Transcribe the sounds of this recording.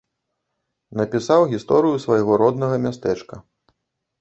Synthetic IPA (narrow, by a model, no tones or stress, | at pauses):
nɐpʲisawɣʲist̪ɔɾɨjusvɐjɣɔɾɔd̪nɐɣɐmʲast̪ɛt͡ʂkɐ